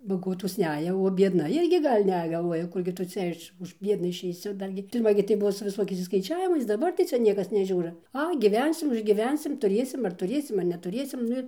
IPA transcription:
bɐˈɡoːtoːs ˈnʲæːjɛ oː bʲiɛdˈnɐ ˈɪrʲɡʲɪ ˈɡɐlʲ ˈnʲɛ ɡɐlˠˈʋuɔjɛ ˈkʊrʲɡʲɪ tʊ ˈt͡sʲɛ ɪʃ ʊʃ ˈbʲiɛdnɐ ɪʃʲɛɪˈsʲɪ ˈdɐr ɡʲɪ pʲɪrˈmɐ ɡʲɪ tɐɪ ˈbʊʋoː sʊ ʋʲɪˈsoːkʲɛɪs ɪʃskɐɪˈt͡ʃʲæːʋʲɪmɐɪs dɐˈbɐr tɐɪ ˈt͡sʲɛ ˈnʲiɛkɐs nʲɛˈʒʲuːrɐ ˈɐɪ ɡʲiːˈʋʲɛnʲsʲɪm ʊʒʲɡʲiːˈʋʲɛnʲsʲɪm tʊˈrʲeːsʲɪm ɐɐr tʊˈrʲeːsʲɪm ɐr nʲɛtʊˈrʲeːsʲɪm ˈnʊ ɪr

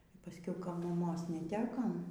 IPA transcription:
iː pɐˈsʲkʲɛʊ ˈkɐ mɐˈmoːs nʲɛˈtʲæːkɐm

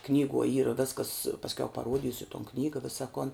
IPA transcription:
ˈknʲiːɡuɔ ˈiːrɐ ˈʋʲæːskɐs pɐsʲˈkʲɛʊ pɐˈruɔdʲiːsʲʊ toːn ˈknʲiːɡɐ ˈʋʲɪsɐ koːn

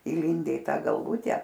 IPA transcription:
iːˈlʲɪnʲdʲɛ ɪ ˈtɐ ɡɐlˠˈʋʊtʲɛ

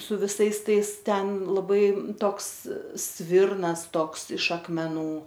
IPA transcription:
sʊ ʋʲɪˈsɐɪs ˈtɐɪs ˈtʲɛn lˠɐˈbɐɪ ˈtoːks ˈsʲʋʲɪrnɐs ˈtoːks ɪʃ ɐkmʲɛˈnuː

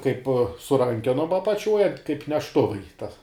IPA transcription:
kɐɪp sʊ ˈrɐŋʲkʲɛnoːm ɐpɐˈt͡ʃʲuɔj kɐɪp nʲɛʃˈtʊʋɐɪ tɐ

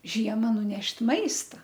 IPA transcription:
ˈʒʲiɛmɐ nʊˈnʲɛʃʲtʲ ˈmɐɪstɐ

